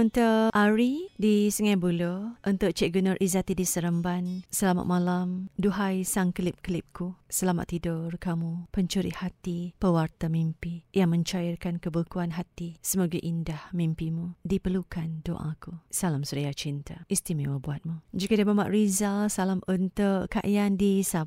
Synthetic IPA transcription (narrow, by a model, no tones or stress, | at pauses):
unt̪əʔaɾidisəŋabuloʔunt̪ʊʔt͡ʃɛʔɡunərʔizat̪idisəɾəmbansəlama̰ʔ̪̚malamduɦajsaŋkəlɪp̚kəlip̚kusəlama̰ʔ̪t̪ːidʊrkamupəɲt͡ʃuɾḭhat̪ipəwart̪amimpijaŋmə̃ɲt͡ʃajirkankəbukuanɦat̪isəmaɡaʔindahmimpimudipərlukando̰ʔa̰kusalamsuɾijat͡ʃint̪aʔist̪imewəbuat̪̚mud͡ʒikadiamamaʔrizalsalamunt̪uʔka̰ʔjandisa